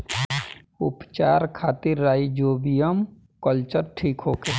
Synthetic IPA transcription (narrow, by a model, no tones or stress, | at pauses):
ʊ̰pt͡ʃaːɾkʰaːt̪iɾːaːid͡ʒoːbijəm | kəlt͡ʃəɾʈʰiːkɦoːkeː